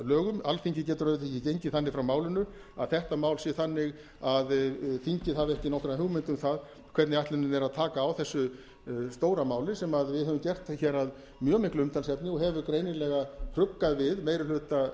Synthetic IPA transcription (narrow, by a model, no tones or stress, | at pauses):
lœːɣʏmalfiɲcɪcɛːt̪ʏɾaʏt̪ʰɛcːɪcejɲcɪθanːɪɣfɾawmaːwlɪnʏ | a̰ðθɛht̪amaːwlsɛθanːɪɣ | aðfiɲcɪaðɛhcɪnɔwhk̪ɾaðhɦʏwmɪnt̪ʏmθað | kʰvɛt̪nɪaht̪lɛnʏmɛɾaðt̪ʰaːkaːwθɛsːʏ | st̪oːwɾamaːwlɪsɛmaðvɪðɦɛvʏmcɛr̥t̪çɛɾað | mjœːmɪhklʏʏmt̪ʰalsjɛp̪nɪɔɦɛvʏkɾeːjnɪlɛɣakʰɾʏpkːaðvɪðmejɾɪlʏːt̪a